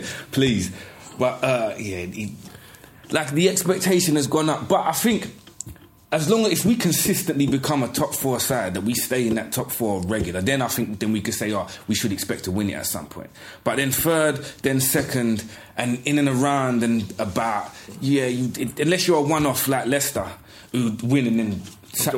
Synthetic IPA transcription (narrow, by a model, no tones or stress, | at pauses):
pʰl̥iz̥b̥ʌtʌjæɪ | laɪk̚ðiɛkspɛk̚tʰeɪʃɨ̃nɨzɡɔ̃nʌp̚b̥ʌɾaɪθɪ̃ŋk | əzlɔ̃ŋɪfwikʰɨ̃nsɪstɨ̃nʔlibɨkʰʌ̃mətʰɒpfɔɹsaɪd̪̚ðəʔ̚wisteɪɨ̃nðɨtʰɒpfɔɹɹɛɡjl̩ˠəðɨ̃naɪθɪ̃ŋk̚ðɨ̃nwikɨd̥seɪəwiʃɨɾɨkspɛk̚tʰəwɪ̃nɪ̰tɨ̰tsʌ̰̃mpʰɔ̰̃ɪ̃n | b̥ʌt̪̚ðɨ̃nfɜ˞d̚ðɨ̃nsɛkɨ̃nd | ʔɨ̃nɪ̃nɨ̃nəɹãʊ̃ndɨ̃nəbaʊt̚jæjɨɪɨ̃nlɛsjə˞əwʌ̃nɔflaɪklɛstə˞ | hʉwɪ̃nɨ̃nðɨ̃n | s